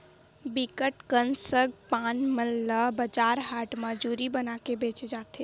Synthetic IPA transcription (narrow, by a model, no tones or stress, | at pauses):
bikəʈkənsəɡpaːnməlːəbəd͡ʒaːɾɦaːʈməd͡ʒuːɾibənaːkebeːt͡ʃed͡ʒaːt̪e